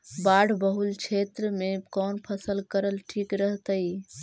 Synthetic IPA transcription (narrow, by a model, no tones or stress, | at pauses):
baɽʱbəɦult͡ʃʰet̪ɾəmekɔnpʰəsəlkəɾəlʈʰikɾəɦt̪əj